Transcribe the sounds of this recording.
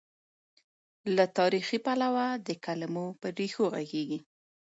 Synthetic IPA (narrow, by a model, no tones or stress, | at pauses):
lat̪ɑɾixipalawad̪əkalamopəɖexoɣa̰ɡeɡi